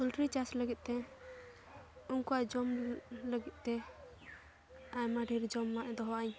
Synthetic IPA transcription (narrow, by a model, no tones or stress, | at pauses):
kulʈɾit͡ʃasləɡit̪̚ˀt̪ɛ | uŋkuad͡ʒɔmləɡit̪̚ˀt̪ɛ | ajmaɖʱiɾd͡ʒɔmːaʔd̪ɔɦaʔaɲ